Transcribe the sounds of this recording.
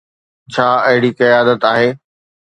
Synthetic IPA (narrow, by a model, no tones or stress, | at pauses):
t͡ɕʰaːɐɦɪɽikɐjaːd̪ət̪aːɦeː